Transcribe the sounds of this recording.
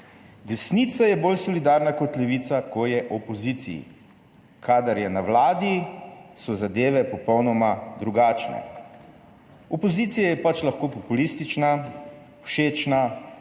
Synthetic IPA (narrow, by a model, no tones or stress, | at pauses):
d̪ɛsnit̪sajɛboːlsɔlid̪aːɾnakɔt̪lɛʋiːt̪sakɔjɛʔɔpɔziːt̪sḭjḭ | kʰaːd̪aɾjɛnawlaːd̪isɔzad̪eːʋɛpɔpɔwnɔmad̪ɾuɡaːt͡ʃnɛ̰ | ɔpɔziːt̪sijajɛpat͡ʃlaxkoːpɔpulist̪it͡ʃnḁ | ʃeːt͡ʃna